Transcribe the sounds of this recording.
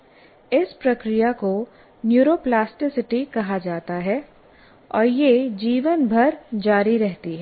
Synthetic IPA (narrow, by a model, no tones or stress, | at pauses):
ɪspɾɐkɾijako | njuːɾoːplaːsʈɪsɪʈikɐɦad͡ʒaːt̪aɦɛ | ɔːɾjed͡ʒiːʋənbʱɐɾd͡ʒaːɾiɾɛɦt̪iɦɛː